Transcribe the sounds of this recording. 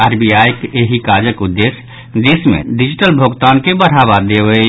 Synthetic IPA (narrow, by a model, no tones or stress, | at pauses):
aːɾbijajkeɦikad͡ʒəkud̪ːes | d̪esmḛ̃ɖid͡ʒiʈəlbʱoɡt̪ankebəɽ̤aβad̪eʋə